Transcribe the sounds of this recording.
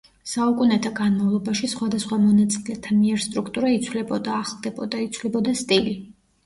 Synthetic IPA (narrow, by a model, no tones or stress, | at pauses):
saukʼunɛt̪ʰaɡanmavlˠɔbaʃisχwad̪asχwamɔnat̪sʼilɛt̪ʰamiɛɾst̪ʼɾukʰt̪ʼuɾait̪sʰvlɛbɔd̪aːχlˠd̪ɛbɔd̪ait̪sʰvlɛbɔd̪ast̪ʼili